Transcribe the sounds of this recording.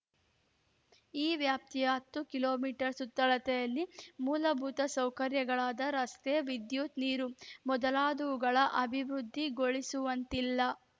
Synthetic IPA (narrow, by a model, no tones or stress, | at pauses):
iːʋjaːp̚t̪ijɐɦɐpt̪ːukiloːmiːʈɐɾsut̪ːɐɭɐt̪ɛjɐlːimuːlɐbʱuːt̪ɐsɐwkɐɾjɐɡɐɭaːd̪ɐɾɐst̪ɛjɐʋid̪juːt̪niːɾumɔd̪ɐlaːd̪uʋuɡɐɭɐʔɐbʱiʋɾud̪ʱːiɡoɭisuʋɐnt̪ilːɐ